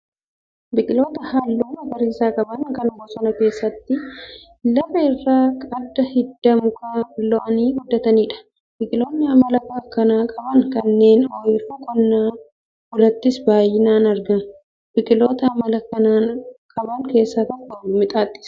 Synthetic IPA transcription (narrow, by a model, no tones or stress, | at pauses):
bɪkʼɪlo̞ːt̪ɐhɐlːoːnɐbɐɾiːsaːkʼɐbɐŋkɐnɐmɔsɔnɐke̞ːsːɐt̪ːɪ | lɐfɐɪrːaːkʼɐd̪ːɐhɪd̪ːɐmʊkʰɐɪlɔʔɐniːɡʊd̪ːɐt̪ɐniːᶑɐ̥ | b̥ɪkʼɪlo̞ːnːɪɐmɐlɐkɐkːɐnaːkʼɐbɐŋkɐnːe̞ːnɔjfukʼɔnːaː | ɡʊlɐt̪ːɪsbaːjːɪnaːnɐɾɡɐn | b̥ɪkʼɪlo̞ːt̪ɐːmɐlɐkɐnaːnkʼɐbɐŋke̞ːsːat̪ɐkːɔmɪt̪ʼaːt̪ʼːɪ̥s